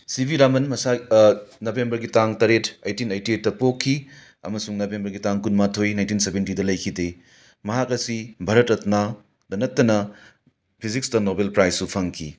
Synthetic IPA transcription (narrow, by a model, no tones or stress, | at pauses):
sibʱiɾamɐnmɐsanobʱembɐɾɡitaŋtɐɾetɐjtinɐjtiet̚ːɐpokʰːi | ɐ̰mɐsuŋnobʱembɐɾɡitaŋkunmatʰojnaj̃ntinsebentidɐlɐjkʰide | mɐɦakɐsibʱɐɾɐtɐtna | dɐnɐtːɐnɐ | pʰizik̚sdɐnobelpɾajsːupʰɐŋkʰi